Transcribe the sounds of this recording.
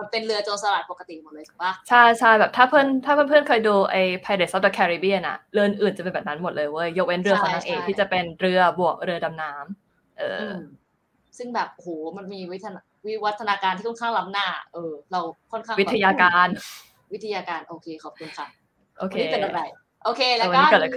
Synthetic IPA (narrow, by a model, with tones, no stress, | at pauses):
ma˧pe˧nɾɯ˧ɐt͡ɕoː˧sa˧laː˨˩t̪̚po˨˩ka˧t̪i˨˩mo˨˩t̪̚lːɤː˧jtʰu˨˩˦baː˥˩t͡ɕʰa˥˩jt͡ɕʰa˥˩jbɛː˨˩t̪ʰaː˥˩pʰɤ˥˩nt̪ʰaː˥pʰɯ˥˨pʰɯ˥˩ə˨nkʰɤː˧jduː˧ʔa˧jpʰa˧jda˨˩sa˦˥dɔ˧˩kʰɛː˧ɾi˧˩bi˥˩na̰˧˩ɾɯ˧ʔɯ˧nʔɯː˨˩nt͡ɕa˨˩pe˧bɛː˨˩p̚na˦˥nmo˨˩t̪̚lɤː˧jwo˥˩ə˨jːo˦˥k̚we˦˥nɾɯ˧kʰɔ˨˦nʰaː˧ŋʔeː˧k̚t̪ʰiː˥tt͡ɕa˨˩pe˧nɾɯ˧ɐbu˨˩ək̚ɾɯ˧ɐda˧mnaː˦˥m | ʔɤ̰ː˧ɯ˧˩ | sɯ˥˩ŋbɛː˨˩p̚hoː˩˦ma˧nmiː˧wt̪ʰːa˧a | wi˦˥wa˦˥t̪ʰːa˧naː˧kaː˧nt̪ʰi˥˩ɔ˥nkʰa˥˩ŋla˦˥m̚naː˥˩ʔɤː˧˩ɾa˧wkʰɔ˥˩nkʰaː˥˩w̪ʰa˧jaː˧kaː˧n | wi˦˥t̪ʰːa˧jaː˧kaː˧nʔoː˧kʰeː˧kʰɔː˨˩p̚ʰu˧nkʰa˦˥ | ʔoː˧˩kʰeː˦˥˧a˧˩j | ʔoː˧kʰeː˧˩wa˧niː˦kɔː˨˩l